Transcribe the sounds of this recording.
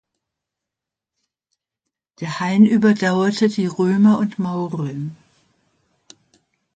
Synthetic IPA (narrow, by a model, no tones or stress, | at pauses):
d̥eːɐhaɪnʔyːbɐdaʊɐtʰədiːʁøːmɐʊntmaʊʁɛn